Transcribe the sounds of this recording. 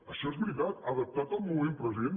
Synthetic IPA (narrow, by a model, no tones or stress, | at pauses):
əʃɔezβɾit̪at̪əðəp̚t̪at̪əlˠmumempɾəziðen